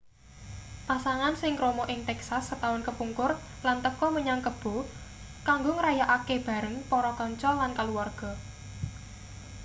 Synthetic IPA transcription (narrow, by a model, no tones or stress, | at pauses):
pasaŋansɪŋkɾomɔʔɪŋt̪ɛksasːət̪awʊnkəpuŋkʊr | lant̪əkɔməɲaŋkəb̥o̤ | kaŋɡʊŋəɾajaʔakeb̥a̤ɾəŋpɔɾɔkɔɲt͡ʃɔlankaluwarɡ̥ɔ̤